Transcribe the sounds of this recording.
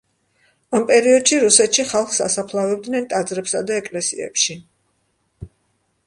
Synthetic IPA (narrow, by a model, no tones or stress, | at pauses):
ampʼɛɾiɔd̪ʃiɾusɛt̪ʃiχalˠχsa̰sapʰlˠavɛb̚d̪nɛnt̪ʼad̪zɾɛpsad̪aɛkʼlɛsḭɛ̰pʃi